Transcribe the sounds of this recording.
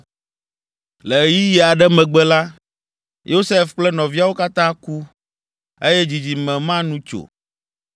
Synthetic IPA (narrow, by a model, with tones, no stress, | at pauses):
lɛ˨ji˦jɛ˨a˨ɖɛ˦mɛ̃˨ɡ͡bɛ˦la˦ | jʔo˦sɛ˦fk͡plɛ˦nɔ̃˨vi˦a˦wo˦ka˦t̪ã˦ku˦ | e˦jɛ˦d͡ʑi˨d͡ʑi˨mɛ̃˨mã˦nũ˦t͡ʃo̰˨